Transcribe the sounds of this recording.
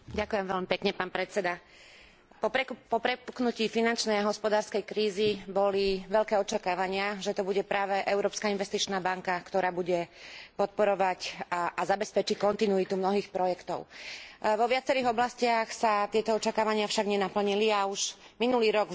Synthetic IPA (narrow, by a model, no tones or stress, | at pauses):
ɟakujɛmʋɛʎmipɛkɲɛpaːnpɾɛt͡sɛd̪a | ppɔpɾɛpu̥knuciːfinant͡ʃnɛjaɦɔspɔd̪aːɾskɛjkɾiːzibɔliʋɛʎkɛːɔt͡ʃakaːʋaɲɪaʒɛt̪ɔbuɟɛpɾaːʋɛʔɛʊɾɔːpskainʋɛst̪it͡ʃnaːbaŋkakt̪ɔɾaːbuɟɛpɔt̪̚pɔɾɔʋacaʔazabɛspɛt͡ʃickɔnt̪inuit̪umnɔɦiːxpɾɔjɛkt̪ɔ̰ʊʋɔʋɪat͡sɛɾiːɣɔblascɪaxsat̪ɪɛt̪ɔɔt͡ʃakaːʋaɲɪafʃaɡɲɛnapl̩ɲiliauʒ | minuliːɾɔɡ